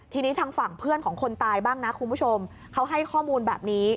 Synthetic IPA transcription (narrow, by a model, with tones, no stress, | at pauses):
t̪ʰiː˧niː˦˥t̪ʰaː˧ŋfa˨˩ŋpʰɯ˥˩ənkʰɔː˩˦ŋkʰo˧nt̪aː˧jbaː˥˩ŋna˦˥kʰu˧nmbu˥˩t͡ɕʰo˧m | kʰa˦˥wɦa˥˩jkʰɔː˥˩muː˧nbɛː˨˩p̚niː˦˥